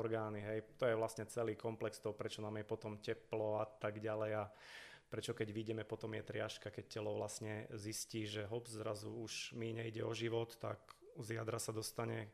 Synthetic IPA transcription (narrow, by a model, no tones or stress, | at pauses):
ɔɾɡaːniɦɛjt̪ɔjɛʋlasɲɛt͡sɛliːkɔmplɛkst̪ɔɦɔpɾɛt͡ʃɔnaːmjɛpɔt̪ɔmcɛplɔat̪aɡɟalɛja | pɾɛt͡ʃɔkɛɟʋiɟɛmɛpɔt̪ɔmjɛt̪ɾɪaʃkakɛc̚cɛlɔʋlasɲɛzisciːʒɛɦɔbzɾazuuʃmiɲɛiɟɛɔʒiʋɔt̪ːa̰kzɪad̪ɾasad̪ɔst̪aɲɛ